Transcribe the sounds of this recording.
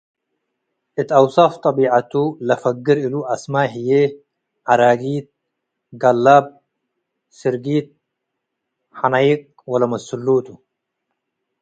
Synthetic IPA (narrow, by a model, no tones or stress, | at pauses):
ʔɪt̪ɑwsɑft̪ˤɑbiːʕat̪ulɐfɐɡːɪɾiluʔɐsmaːɦije | ʕaɾaːɡiːt̪̚ | ɡɐlːab̚ | sɪɾɡiːt̪̚ | ħanajiq̚ | wɐlamɐsulːuːt̪u